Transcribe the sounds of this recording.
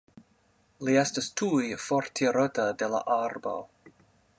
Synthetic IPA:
liestastʰujfoɾtʰiɾotadela̰ʔaɾba̰w

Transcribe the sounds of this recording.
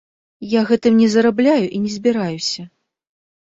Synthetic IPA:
jaɣɛt̪ɨmnʲɛzɐɾablʲajuʔinʲɛzʲbʲiɾajusʲɐ

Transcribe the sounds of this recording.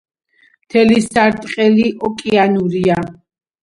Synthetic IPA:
mt̪ʰɛlisaɾt̪ʼqʼɛliʔɔkʼianuɾia

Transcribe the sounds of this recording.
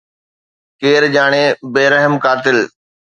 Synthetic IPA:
keːɾʄaːɽ̃ebeːɾəɦəmkaːt̪ɪl

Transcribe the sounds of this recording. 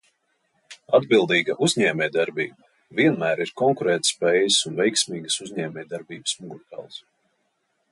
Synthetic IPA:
ad̪bilˠd̪iːɡaʔuzʲɲɛːmʲɛjd̪aɾbiːbɐ | viɛnmæːɾiɾkɔŋkuɾɛːt̪spɛjsunvɛjksmiːɡəsuzɲɛːmʲɛjd̪aɾbiːbɨsmuɡuɾt̪a̰ːlˠs

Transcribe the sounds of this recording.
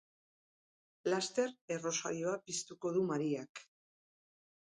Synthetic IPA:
last̪e̞ɾe̞ro̞sa̰ɾjo̞apist̪uko̞ð̞umaɾiak

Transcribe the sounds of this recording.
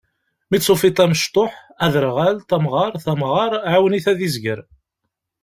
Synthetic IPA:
mit͡sːˤofit̪ˤæməʃt̪ˤoħ | æðɾʁælt̪æmʁɑɾˤθæmʁɑɾˤʕawniθæðizɡəɾ

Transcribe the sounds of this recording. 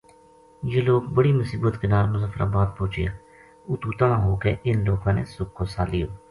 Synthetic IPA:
jeːloːkbəɽiːmʊsiːbət̪kɪnaːɾmʊzəfɾa̰ːbaːd̪̚poːt͡ʃɪja̰ː | ʊt̪uːt̪anãːɦoːkeːʔɪnloːkãːnḛːsʊkʰːoːsaːlijoː

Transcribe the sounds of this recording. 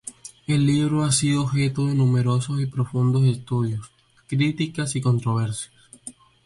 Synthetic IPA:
e̞lːiβ̞ɾo̞asiðoːβxe̞t̪oðe̞nume̞ɾo̞so̞sipɾo̞fund̪o̞s̬e̞st̪uðjo̞s | kɾit̪ikasiko̞nt̪ɾo̞β̞e̞ɾsjas

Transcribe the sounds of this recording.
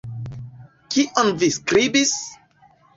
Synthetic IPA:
kʰiʔɔ̃nviskɾibis

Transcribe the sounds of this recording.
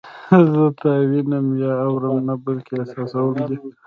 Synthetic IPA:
zət̪awinəmjɑːwɾəmnabəlkeasɑsawəld̪i

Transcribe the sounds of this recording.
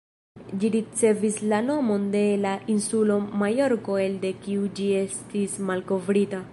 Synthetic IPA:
d͡ʒiɾit͡se̞vislano̞mo̞nde̞laʔinsulo̞majo̞ɾko̞e̞lde̞kiud͡ʒie̞stismalko̞vɾita

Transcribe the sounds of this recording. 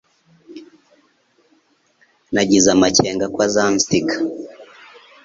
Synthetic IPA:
naɟizamat͡ʃɛŋɡakwazamstikḁ

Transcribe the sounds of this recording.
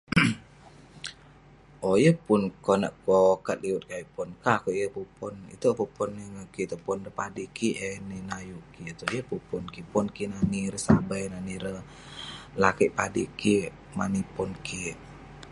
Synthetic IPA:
ʔojəpunkonə̰ʔkokat̪̚liwʊt̪̚kaiʔpɔnkakoʔjəpupɔnḭt̪əpupɔnəŋəkit̪əpɔndəpadikiʔeninajukiət̪ujəpupɔnkipɔnkinaniɾəsabajnaniɾə | lakiʔpadiki | manipɔnki

